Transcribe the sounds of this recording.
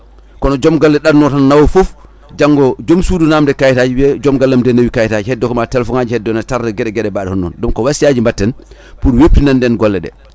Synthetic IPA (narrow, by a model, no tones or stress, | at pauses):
kɔnɔd͡ʒɔmɡɔlːɛɗannɔtanːawɔfof | d͡ʒaŋɡɔd͡ʒomsudunamdɛkajtaːd͡ʒiwɛd͡ʒɔmɡalːamdɛnːawikajtad͡ʒihɛdːɔkɔmatɛlfɔŋad͡ʒihɛdːɔnataɾdɛɡɛɗɛɡɛɗɛbaːɗɛhɔnːɔ̰ndɔmkɔwasiad͡ʒimbatːɛn | puɾwepːinandɛnɡɔlːɛɗɛ̰